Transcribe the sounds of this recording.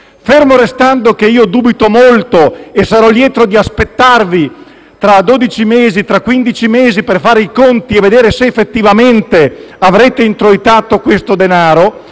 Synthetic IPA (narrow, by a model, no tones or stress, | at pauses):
fermoɾest̪and̪ok̟eiːod̪uːbit̪omolt̪oesaɾɔljɛːt̪ɾod̪iaspet̪ːarvi | t̪ɾad̪oːd̪it͡ʃimeːzit̪ɾakːwind̪it͡ʃimeːziperfaːɾeikont̪ieved̪eːɾeseːfːet̪ːivament̪eavɾɛːt̪eint̪ɾoit̪aːt̪okwest̪od̪enaːɾo